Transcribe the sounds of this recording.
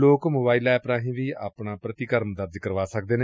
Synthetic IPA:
loːkmoːbaːilɛːpɾãːɦĩːʋiːaːpɳaːpɾət̪ɪkəɾmd̪əɾd͡ʒkəɾʋaːsək̚d̪eːneː

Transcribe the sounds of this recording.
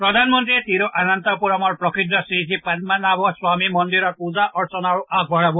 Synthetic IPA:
pɾɔd̪ʱanmɔnt̪ɾiet̪iɾoʔanant̪ɔpuɾɔmɔɾpɾɔkiʈ̪ɾɔsiit͡ʃʰipad̚manabɔswamimɔnd̪iɾɔpuzaʔɔɾsɔnaɾuak̚bʱɔɭabu

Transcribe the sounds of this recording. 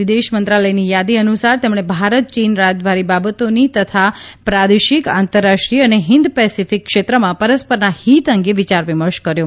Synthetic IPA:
ʋid̪eʃmənt̪ɾaləjnijad̪iənusaɾt̪emɽ̃ebʱaɾət̪̚t͡ʃinɾad͡ʒʋaɾibabət̪onit̪ət̪ʰapɾad̪eʃikant̪əɾːaʃʈɾiəneɦɪnd̪pɛsifikːʃet̪ɾəmãpəɾəspəɾnahit̪əŋɡeʋit͡ʃaɾʋiməɾʃkəɾjũ

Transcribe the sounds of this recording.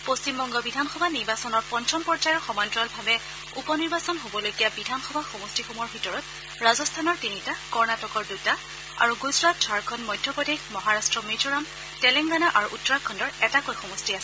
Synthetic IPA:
post͡ʃimbɔŋɡɔbidʱanxɔbʱaniɹbasɔnɔɹpɔnt͡ʃʰɔmpɔɹd͡ʒajɔɹxɔmɔntɹɔlbʱabɛ | upɔniɹbasɔnɦobɔlojɡijabidʱanxɔbʱaxɔmɔstixomɔɹbʱitɔɹɔt̚ | ɹazɔstʰanɔɹtinitakɔɹnatɔkɔɹduta | a̰ɹuɡuzɹat̚dʱaɹkʰɔnmɔjdʱːɔpɔdexmɔɦaɹastɹɔmid͡ʒɔɹam | tɛlɛŋɡanaʔaɹuʔutɔɹakʰːɔndɔɹɛtakojxɔmɔstiasɛ

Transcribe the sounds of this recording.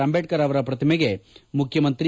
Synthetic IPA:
ɐmbeːʈ̚kɐɾɐʋɐɾɐpɾɐt̪ʰɐmeɡemukʰjɐmɐnt̪ɾi

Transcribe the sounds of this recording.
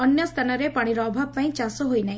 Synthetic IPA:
ɔnjɔst̪ʰanaɾepaɽ̃iɾɔːbʱapaĩt͡ʃasɔɦojnaɦĩ

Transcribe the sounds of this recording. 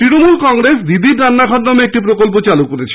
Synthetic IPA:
t̪ɾinomulkɔŋɾesd̪id̪iɾɾanːaɡʱɔʈnɔmeek̚ʈipɾokolp̬ot͡ɕalukoɾet͡ɕʰe̥

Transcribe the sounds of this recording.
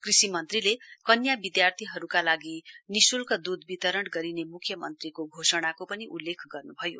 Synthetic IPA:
krisimʌnt̪rilekʌnjabid̪jart̪ʰiɦʌɾukalaɡinisulkad̪ud̪bit̪ʌɾʌɽɡʌɾinemukʰjʌmʌnt̪rikoɡʱosʌɽ̃akopʌniʔulːekʰɡʌrnubʱʌjo̰

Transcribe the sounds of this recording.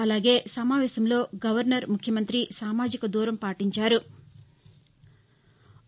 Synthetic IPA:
ɐlaːɡe̞ːsɐmaːʋɛːʃɐmlo̞ːɡɐʋɐɾnɐɾmukʰjɐmɐnt̪ɾisaːmaːd͡ʒikɐd̪uːɾɐmpaːʈiɲt͡ʃaːɾu

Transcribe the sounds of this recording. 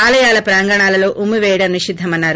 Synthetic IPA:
aːlɐjaːlɐpɾaːŋɡɐɳaːlɐlo̞ːʔumiʋɛːjɽɐniʂid̪ʱːɐmɐnːaːɾu

